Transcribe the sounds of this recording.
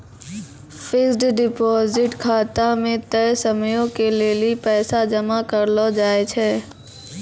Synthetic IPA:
fɪsɖɖɪpɔːzɪʈkʰaːt̪amẽt̪ɛːsəmjõkeleliepɛːsad͡ʒəmakəɾlod͡ʒaːet͡ʃʰɛː

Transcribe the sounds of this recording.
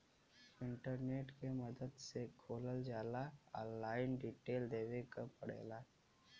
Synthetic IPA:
ɪ̃ɳʈəɾneːʈkeməd̪əd̪sekʰoːləld͡ʒaːlaɔːlːaːɪnɖiːʈeːld̪eːʋekəpɐɽḛːlaː

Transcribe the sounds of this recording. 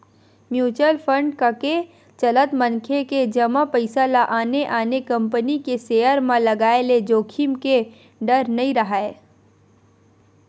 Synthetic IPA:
mjuːt͡ʃəlpʰə̃ɳɖkake | t͡ʃɐlət̪mɐ̃nkʰeked͡ʒɐmapəɪsalaʔaːneʔaːnekɐ̃mpənikeseːəɾmãlɐɡaːeled͡ʒoːkʰimke | ɖəɾnɐĩɾɐɦaeː

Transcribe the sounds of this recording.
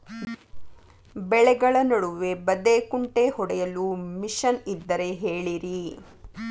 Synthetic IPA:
bɛɭɛɡɐɭɐnɐɽuʋe̞bɐd̪eːkuɳʈehɔɽɛjɐlumiʃɐnid̪ːɐɾe̞ɦeːɭiɾi

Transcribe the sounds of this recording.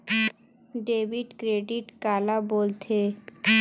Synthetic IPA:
ɖebiʈkɾeɖiʈkalabolt̪ʰe

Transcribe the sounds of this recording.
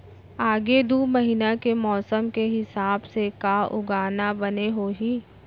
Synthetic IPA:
aːɡed̪uːməɦɪnakemɔːsəmkeɦɪsaːbsekaʊ̰ɡaːnabɐneɦoːɦiː

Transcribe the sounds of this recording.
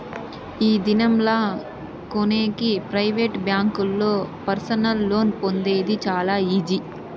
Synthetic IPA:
iːd̪inɐmla | koneːkipɾɐjʋeːʈbjaːŋkulːo̞ːpɐɾsɐnɐlːo̞ːnpo̞nd̪e̞ːd̪it͡ʃaːlaːiːd͡ʒi

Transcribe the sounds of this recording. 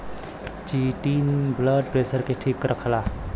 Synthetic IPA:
t͡ʃiʈinbləɖ̚ʈɾesəɾkeʈʰikɾəkʰla

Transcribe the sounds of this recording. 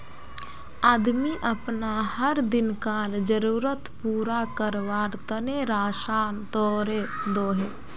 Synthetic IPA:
aːd̪miʔəpnahəɾd̪ɪnkaːld͡ʒəɾuːɾət̪puːɾakəɾʋaːɾt̪əneɾaːʃaːnt̪ɔːɾed̪oːɦe

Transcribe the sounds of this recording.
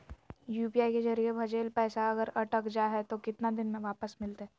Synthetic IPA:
juːpiaːikezɐɾiebʱɐd͡ʒeːlpɛːsaɐɡəɾɐʈəkd͡ʒaɦɛt̪okɪt̪nad̪ɪnmẽʋaːpəsmɪlt̪eɦɛː

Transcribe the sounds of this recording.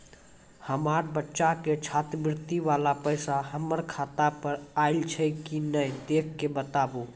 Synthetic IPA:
həmaɾbətːʃaket͡ʃʰat̪bɪɾt̪iʋalapəjsaɦəməɾkʰat̪apəɾaɪlt͡ʃʰəkinəjd̪ekʰːebət̪abo

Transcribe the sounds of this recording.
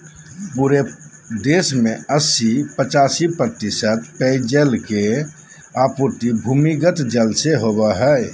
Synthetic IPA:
puɾe | d̪esmeəsipət͡ʃasipɾət̪isət̪̚pɛjd͡ʒəlke | aput̪ibʱumiɡət̪d͡ʒəlseɦobɛɦəj

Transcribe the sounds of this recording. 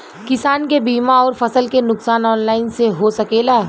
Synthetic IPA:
kɪsaːnkebiːmaɔːɾfɐsəlkenʊksaːnɔːnlaːɪnseɦosɐkeːlaː

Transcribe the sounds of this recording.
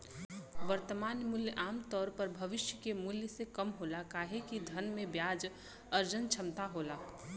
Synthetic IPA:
ʋəɾt̪əmaːnmʊljəʔaːmt̪ɔːɾpəɾbʱəʋɪʃjəkemʊljəsekəmɦoːlakaːɦekid̪ʱənmẽbjaːd͡ʒ | əɾd͡ʒənt͡ʃʰəmt̪aɦoːla

